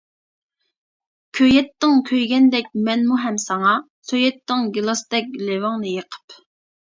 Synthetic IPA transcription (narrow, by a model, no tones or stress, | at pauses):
kʲʰøjɛt̪ːɪŋkʲʰøjɡʲɛnd̪ɛkʲmɛnmuɦɛmsɑŋɑ | søjɛt̪ːɪŋɡʲilˠɑsd̪ɛk̚ʲlewɑŋnɨjəqʰə̥p